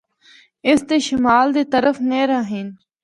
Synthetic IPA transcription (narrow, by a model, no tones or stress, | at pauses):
ɪst̪eʃɪmaːld̪eːt̪ɐɾəfneːɾaːɦiːn